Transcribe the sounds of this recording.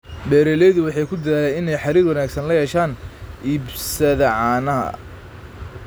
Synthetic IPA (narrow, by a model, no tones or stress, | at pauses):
bɛːɾɛlɛjðʊwɑħɑjkʰʊd̪ɐðaːlɛjɪnɛjħɑɾiːɾwɐnaːɡsɐnlɐhɛːʃaːnʔiːbsɐðɐʕɑːnɐɦɐ̰